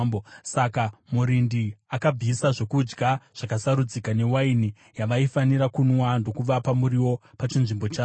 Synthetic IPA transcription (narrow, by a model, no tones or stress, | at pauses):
bosakamuɾindiakab͡visaʐo̞kud͡ʒɡaʐ̥akasaɾud͡zikane̞waini | jaʋaifaniɾakunwando̞kuʋapamuɾiwo̞pat͡ʃinʐimbo̞t͡ʃa